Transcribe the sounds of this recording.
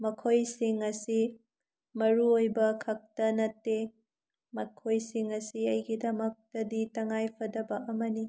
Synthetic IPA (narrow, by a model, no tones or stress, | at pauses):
mɐkʰojsiŋɐsi | mɐɾuojbɐkʰɐk̚tɐnɐtːe | mɐkʰojsiŋɐsiɐjɡidɐmɐk̚tɐditɐŋajpʰɐdɐbɐʔɐmɐni